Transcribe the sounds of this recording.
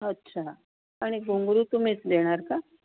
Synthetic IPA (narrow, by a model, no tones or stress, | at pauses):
ətːɕʰa | aɽ̃iɡuŋɡɾut̪um̤it͡sd̪eɽ̃aɾka